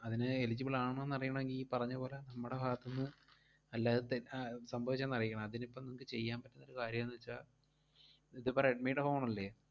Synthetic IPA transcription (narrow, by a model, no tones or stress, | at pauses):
ɐðinɨelid͡ʑːɐbiɭaːɳɨenːɐrijːɐɳɐmeŋɡilipɐrɐɲːɐpo̞ːlenɐmːuɽebʱaːt̪ːɐnːɨ | ɐlːaːðɨt̪esɐmbʱɐʋit͡ɕːɐːnːɐrijkʲːɐɳɐmɐðinipːɐmnimukːɨt͡ɕe̞jːaːmpɐtːunːoɾukaːɾjɐmnːit͡ɕːaː | iðɨpːoːeɖmejʈːɐfoːmɳmɐlːe̞ː